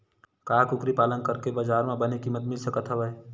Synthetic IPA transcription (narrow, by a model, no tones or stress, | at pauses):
kaːkʊkɾipaːlənkəɾkebəd͡ʒaːɾmẽbənekimːət̪mɪlsəkət̪ʰɦəbəj